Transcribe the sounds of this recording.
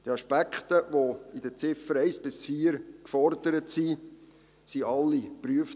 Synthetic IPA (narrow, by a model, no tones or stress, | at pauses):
d̪̥iɑʃpækχt̪əʋoidət͡sɪfəɾɛɪsb̥ɪsfiːəɾkfɔrdəɾətsi | siʔɑlːipɾyəf